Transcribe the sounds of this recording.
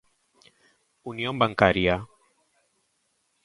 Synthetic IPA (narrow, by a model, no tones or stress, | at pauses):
uniombaŋkaɾja